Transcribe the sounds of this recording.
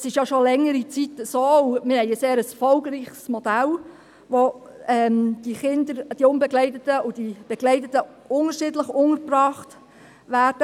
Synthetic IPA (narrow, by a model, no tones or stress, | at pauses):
ɛsɪʃjɑʃolɛŋːəɾit͡sitəsoːʊmɪɾɦɛɪəseːɾəsfɔlɡɾiːχsmɔd̥æl | ʋoɛmd̥iχɪnd̪əɾd̥iʊnbɛɡlɛɪtətəʊd̥ib̥ɛɡlɛɪtətə | ʊŋəɾʃɪdləχʊŋəɾprɑːχt | ʋæːɾd̥ə